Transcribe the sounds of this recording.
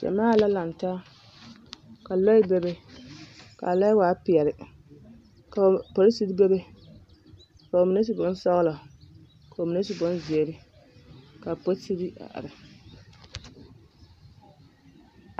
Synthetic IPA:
d͡ʒɛ̰˨maː˦˨la˦la˨n˨ta˦ | ka˨lɔ˦i˦be˦be˦ | ka̰˨la˦jwaː˨˦pɪ˨ɛ˨ɾɪ˨ | ka˨po˨ɾi˦si˦ɾi˦be˦be˦ | ka˨o˨mi˨ne˦s̬i˨bʊ˨˦n˦sɔ˦ɣla˨ | ka˨o˨mi˨ne˦si˨˦bʊ˦nzɪ˨e˨ɾɪ˦ | ka˨po˦si˦ɾi˦ʔa̰˨ʔa̰˨ɾɪ˨

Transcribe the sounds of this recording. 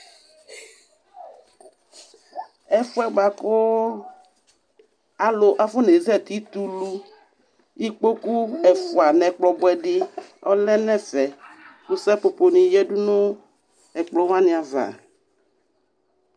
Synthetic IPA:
ɛ˦fu˦ɛ˦ɡ͡ba˨ko˦ | a˨lo˨ʔa˨fo˦ne˨zɛ˦˨t̪i˦t̪u˦lu˦ | i˦k͡po˦ku˦ɛ˨fu˨a˨nɛ̃˨k͡plɔ˨bɔ˦ɛ˨ɖɪ˦ɔ̰˦lɛ˦nɛ̃˦fɛ˨ku˦sɛ˦po˨po˨nĩ˨jɛ˦ɖu˦nõ˦ | ɛ˨k͡plɔ˦wã˦nĩ˨a˨va̰˨

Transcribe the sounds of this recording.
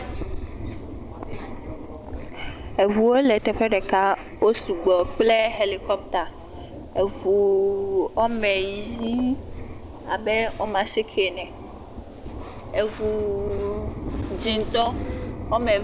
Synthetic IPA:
e˨vu˨wo˦le˨t̪ɛ˨ɸɛ˦ɖɛ˨ka˦ | wo˦su˨ɡ͡bɔ˨k͡ple˦ɦe˨li˨kɔ˦p̚t̪a˨ | e˨vu˨ | ɔ˦mɛ̃˨ji˦ | a̰˨bɛ˦wo˦mã˨si˦kʰe˨nɛ̃˨ | e˨vu˨ | d͡ʑi˨n˦t̪ɔ˦ɔ˦mɛ̃˨

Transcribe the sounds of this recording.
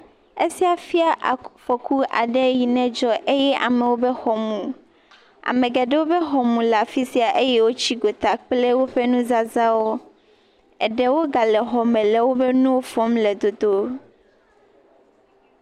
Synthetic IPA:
e˦si˦a˨fi˦a˦ʔfɔ˨ku˦ʔa̰˨ɖɛ˦ji˨nɛ̃˦d͡ʒɔ˦ʔe˦jɛ˦ʔa̰˨mɛ̃˨wo˦be˦xɔ˨mũ˨ | a̰˨mẽ˨ɡa˨ɖe˦wo˦be˦ɦɔ˨mũ˨la˨fi˦si˦a˨ʔe˦jɛ˦wo˦t͡ɕi˦ɡo˨t̪a˨k͡ple˦wo˦ɸe˦nũ˦za˦za˦wo˦ | ɛ˨ɖɛ˦wo˦ɡa˨lɛ˨ɦɔ˨mɛ̃˨lɛ˨wo˦be˦nũ˦wo˦fɔ˦mlɛ˨d̪o˨d̪o˦

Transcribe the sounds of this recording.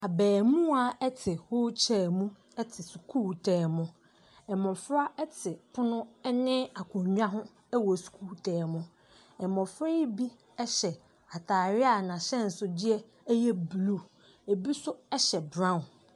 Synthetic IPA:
a˨bɛː˨mũ˦a˨ɛ˦tʰɪ˨hʊ˦t͡ɕʰɛː˨mũ˦ | ɛ˦tʰɪ˨su˨kʰuː˦˨tʰɛː˨mʊ̃˦ | ɛ˨mɔ̃˨fɾa˦ɛ˦tʰɪ˨pʰʊ˦nʊ̃˦ɛ˦nɪ̃˦a˨kʰʊ̃˨ɲᶣ˦ã˦ɦʊ̃˦ | ɛ˦wɔ˨su̥˨kʰuː˦tʰɛː˨mʊ̃˦ | ɛ˨mɔ̃˨fɾɛ˦i˦bi˦ | ɛ˦ɕɛ˨ | a˨tʰaː˨ɾɪ˦a˨nã˨ɕɛ˦n̩˨sʊ˦dɪ˦ɛ˦ | jɛ˦blu˦˨ | e˨bi˦sʊ˦ɛ˦ɕɛ˨bɾã˦˨

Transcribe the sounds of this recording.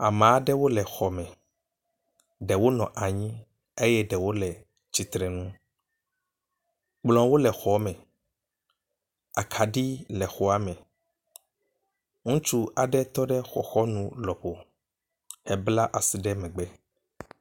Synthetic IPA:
a˨mã˨a˦ɖɛ˦wo˦lɛ˨xɔ˨mɛ̃˨ | ɖɛ˨wo˦nɔ̃˨ʔa˨ɲĩ˦ | e˦jɛ˦ɖɛ˨wo˦lɛ˨ | t͡ɕi˨t̪ɾɛ˨nũ˦ | k͡plɔ̃˨wo˦lɛ˨xɔ˨˦mɛ̃˨ | a˨kʰa˨ɖi˦lɛ˨xɔ˨a˦mɛ̃˨ | ŋũ˦t͡ʃu˦a˨ɖɛ˦t̪ɔ˦ɖɛ˦xɔ̰˨xɔ˦nũ˦lɔ˨ɸo˨ | hɛ˨bla˦ʔa˨si˨ɖɛ˦mɛ̃˨ɡ͡bɛ˦

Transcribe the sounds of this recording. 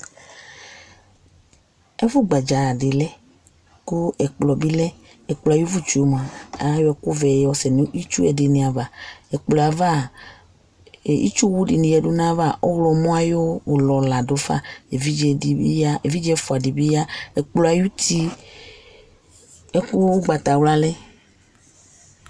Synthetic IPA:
ɛ˦vʊ˦ɡ͡ba˨d͡ʒa˨a˨dɪ˨lɛ˦ | ku˦ɛ˨k͡plɔ˨bi˦lɛ˦ | ɛ˨k͡plɔ˨a˨ju˦vu˦t͡ʃu˨o˦m˨a˨a˨˦jo˦ɛ˦ku˦vɛ˨jɔ˦sɛ˨nũ˦ʔi˦t͡ʃu˦ɛ˨dɪ˨nĩ˨a˨va˨ɛ˨k͡plɔ˨a˨va˦˨ | ḭ˦t͡ʃu˦wu˦di˨nĩ˨jɛ˨du˦nã˦va˦˨ʔɔ˦ɣlɔ˨mũ˦a˦jo˦wo˨lɔ˨la˨do˦fa̰˦e˨vi˦d͡ʒɛ˨i˨i˦ja˦e˨vi˦d͡ʒɛ˦fo˨a˨di˨bi˦ja˦ɛ˨k͡plɔ˨a˨ju˦t̪i˦ | ɛ˦ku˦ɡ͡ba˨t̪a˨wla˦lɛ˦

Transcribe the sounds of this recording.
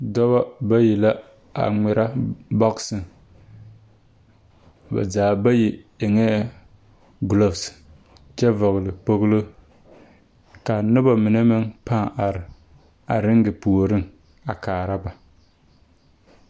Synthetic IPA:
dɔ˦βa˦ba˦ji˨la˦ | a̰˨ŋɪ˨ɾʔa˦bɔ˦ksɨ˨ŋ | ba̰˨zaː˨ba˦ji˨ɪ˨ŋɛː˦ | ɡlo˦fs | t͡ʃɛ˦vʊ˨ɣlɪ˨k͡po˦ɣlo˦ | ka˨nʊ˦ba˨mɪ˨nɛ˦mɪ˦ŋpa˦a˨ɾɪ˨ | a˨ɾɪ˦ŋɡɪ˨pu˨ɾɪ˦ŋ | a˨kaː˨ɾa˦ba˨

